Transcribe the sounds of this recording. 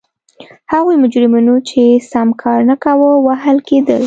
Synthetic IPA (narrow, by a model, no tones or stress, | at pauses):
haɣujmʊd͡ʒɾɪmunot͡ʃesamkʰɑɾnakawəwaɦalked̪əl